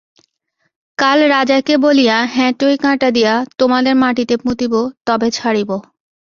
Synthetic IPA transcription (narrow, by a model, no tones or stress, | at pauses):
kalɾad͡ʑakebolijaɦɛ̃ʈoikãʈad̪ijat̪omad̪eɾmaʈit̪epũt̪ibot̪ɔbet͡ɕʰaɽibo